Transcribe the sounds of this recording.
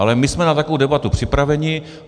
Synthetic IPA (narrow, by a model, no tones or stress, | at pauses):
alɛmɪsmɛnat̪akoowdɛbat̪upr̝̥ɪpɾavɛɲɪ